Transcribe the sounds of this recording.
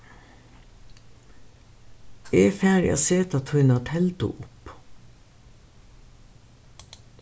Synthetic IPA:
eːfæːɾɛ̰seːt̪at̪ʰɔʏnat̪ʰɛlt̪ʊ̰ʔʊp

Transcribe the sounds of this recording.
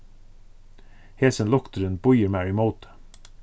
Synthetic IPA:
heːsənlɔkt̪əɾənbɔjəɾmæɹɪmoʊt̪ə̥

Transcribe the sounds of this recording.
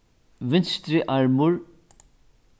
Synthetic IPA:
vɪnst̪ɾɪʔaɹmʊɹ

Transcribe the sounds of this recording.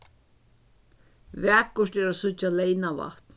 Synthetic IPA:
væːkʊʂt̪ɛɾasʊt͡ʃːalɛjnava̰ht̪n

